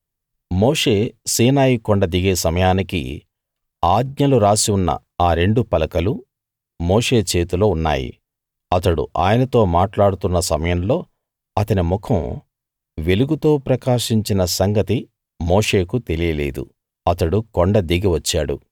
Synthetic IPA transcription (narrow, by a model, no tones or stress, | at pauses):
moːʂe̞ːsiːnaːjikoɳɖɐd̪iɡe̞ːsɐmɐjaːnikḭ | aːɡ̪̚ɲɐluɾaːsiunːɐ̰ | aːɾe̞ɳɖupɐlɐkɐlu | mo̞ːʂe̞ːt͡ʃe̞ːt̪ulo̞ːunːa̰ːjḭ | ɐt̪ɐɽṵʔa̰ːjɐnɐt̪o̞ːmaːʈlaːɽut̪unːɐsɐmɐjɐmlo̞ː | ɐt̪ɐnimukʰɐm | ʋe̞luɡut̪o̞ːpɾɐkaːʂiɲt͡ʃinɐsɐŋɡɐt̪i | moːʂe̞ːkut̪e̞lijɐle̞̰ːd̪ṵ | ɐt̪ɐɽukoɳɖɐd̪iɡiʋɐt͡ʃːaːɽṵ